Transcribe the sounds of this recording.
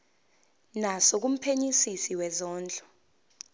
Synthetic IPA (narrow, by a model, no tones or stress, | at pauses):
nasok̬um̩pʰeɲisisiwɛzɔːnd͡ɮʱʼɔ̥